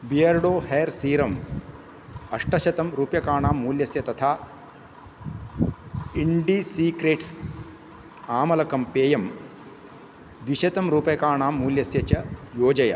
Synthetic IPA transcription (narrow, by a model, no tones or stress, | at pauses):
bijɐɾɽoːheːɾsiːɾɐm | ɐʂʈɐʃɐt̪ɐmɾuːpjɐkaːɳaːmːuːljɐsjɐt̪ɐt̪ʰaː | iɳɖisiːkɾeːʈs | aːmɐlɐkɐmpeːjɐm | d̪ʋiʃɐt̪ɐmɾuːpjɐkaːɳaːmːuːljɐsjɐt͡ʃɐjoːd͡ʒɐjɐ̰